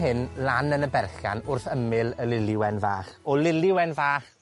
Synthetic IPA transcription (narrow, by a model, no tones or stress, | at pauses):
ɦɪnlanənəbɛrɬa̰nʊrθəmɪləlɪlɪwɛnvaːχɔlɪlɪwɛnvaːχ